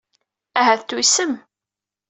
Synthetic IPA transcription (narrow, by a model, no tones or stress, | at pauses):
æɦæθt̪ːusəm